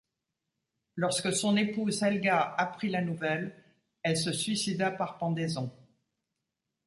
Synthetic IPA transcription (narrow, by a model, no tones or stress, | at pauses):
lɔʁskəsɔ̃nepuzɛlɡaapχilanuvɛl | ɛlsəsɥisid̪apaʁpɑ̃d̪ezɔ̃